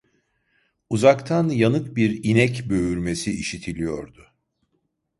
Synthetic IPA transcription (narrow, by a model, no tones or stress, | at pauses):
uzakt̪ʰanjanɯk̚biɾinɛcbø̞yɾme̞siiʃit̪ʰilʲijo̞̰ɾd̪ʊ